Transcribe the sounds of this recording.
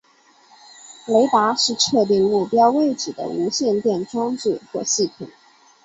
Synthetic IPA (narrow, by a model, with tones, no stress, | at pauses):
le˧˥ɪt̪a˧˥ʂɻ̩˥˧ʈ͡ʂʰɤ˥˧t̪i˥˧ŋmu˥˩pjɑ˥ʊwe˥˩ɪʈ͡ʂɻ̩˨˩d̪ə̰˦u˧˥ɕjɛ˥˧nt̪jɛ˥˩nʈ͡ʂɑ˥ŋt͡s̩˥˩xwɔ˥˧ɕi˥˩t̪ʰḭ˨˩˦ŋ